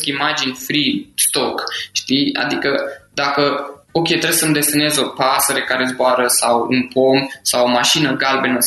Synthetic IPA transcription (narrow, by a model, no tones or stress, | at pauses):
kimad͡ʒinʲfɾist̪o̞kʃt̪ija̰d̪ikəd̪akəo̞kʲe̞t̪ɾesəmd̪e̞st̪ene̞zo̞pasəɾekaɾe̞zboaɾəsawṵnpomsawomaʃinəɡalbe̞nə